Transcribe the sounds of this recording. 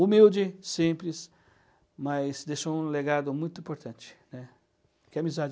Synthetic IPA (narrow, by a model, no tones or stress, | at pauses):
umiwd͡ʒɪsĩmplɪs | majsd̪eʃoũleɡad̪ʊmũj̃t̪ʊĩmpoɾt̪ɐ̃nt͡ʃɪ̥nɛ | kɪamizad͡ʒ